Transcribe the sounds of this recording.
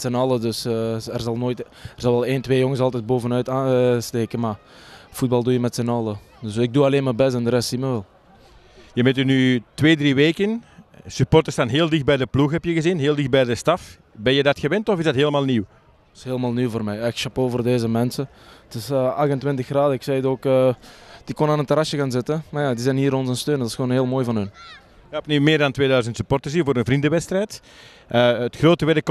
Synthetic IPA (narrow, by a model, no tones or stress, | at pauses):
tsɛnɑlˠədɵsɛrzɑlˠnoːjtɛrzɑlˠʋɛlˠeːntweːjɔŋəsɑlˠtɛd̚boːvənœɥtaːnsteːkənmaː | fud̚bɑlˠduːjəmɛtsɛnɑlˠə | dəsɪɡ̚duːɑleːnmabɛs̬tɛndəɾɛstsiməʋɛlˠ | jəmɛtynytʋeːdriʋeːkənsypɔrtəstanɦeːlˠdɪxt̚bɛjdəpluxɦɛpjəɣəzinɦeːlˠdɪx̚bɛjdəstɑf | bɛnjədɑtxəʋɛntɔfɪzdɑtɦeːləmaːlˠniw | ɪ̥sɦeːləmaːlˠnyːwvoːrmɛjɪkʃɑpoːvərdeːzəmɛnsə | ətɪsəɑɣəntwɪntəxraːdəɪksɛdoːkəd̥ikɔnaːnəntəɾɑsjəɣaːnzɪtəmajaːdizɛjnɦiːɾɔnzənstøːntɪsxoːnɦeːlˠmoːjvɑnɵn | jɛpnimɪːrdɑntʋeːdœɥzəntsypɔrtəzinvoːɾənvrindəʋɛtstrɛjt | ʔəətxroːtəʋɛdək